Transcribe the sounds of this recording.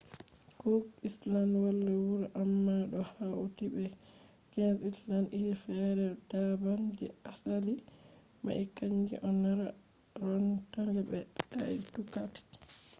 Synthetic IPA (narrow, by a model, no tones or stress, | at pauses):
kɔislanwalːɛwuɾʔamːaɗɔhawtibɛ | kɛnsislanʔiɾifɛɾɛdaband͡ʒɛ̰asali | ma̰ʔikaɲd͡ʒḭʔɔnːaɾa | ɾɔntaŋɡɛbɛta̰itukati̥